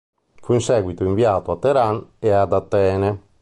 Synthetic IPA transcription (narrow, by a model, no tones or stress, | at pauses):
fuinsɛːɡwit̪oiɱviaːt̪oat̪ːeɾanead̪at̪ːɛːne